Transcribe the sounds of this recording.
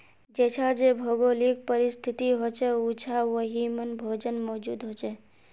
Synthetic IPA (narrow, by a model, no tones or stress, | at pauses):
d͡ʒɛt͡ʃʰad͡ʒebʱoɡolik̚pəɾist̪ʰit̪iɦot͡ʃɛut͡ʃʰaʋəɦimənbʱoːd͡ʒənmɔːd͡ʒud̪ɦot͡ʃɛ